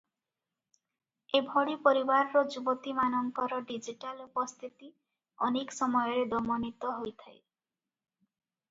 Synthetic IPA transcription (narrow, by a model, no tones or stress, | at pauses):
ebʱɔɽipoɾibaɾːod͡ʒubot̪imanɔŋkɔɾɔɖid͡ʒiʈalupɔst̪ʰit̪i | ɔneksɔmɔjɔɾed̪ɔmonit̪ɔɦojt̪ʰae